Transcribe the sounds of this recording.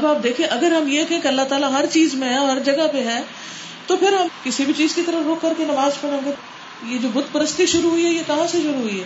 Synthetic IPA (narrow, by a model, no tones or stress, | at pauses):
ɐbaːp̚d̪eːkʰiẽʔɐɡəɾɦɐmjekɛ̃keɐlːat̪aːlaɦɐɾt͡ʃiːzmẽɦɛɔːɾɦɐɾd͡ʒɐɡapeɦɛː | t̪opʰɪɾɦɐmkɪsibʱit͡ʃiːzkit̪ɐɾəɾoːkːɐɾkenɐʋaːzpɐɽãːɡe | jed͡ʒoːbʊd̪ʱpɐɾəst̪iʃʊɾuɦʊiɦɛjekɐɦãseʃʊɾuɦʊiɦɛː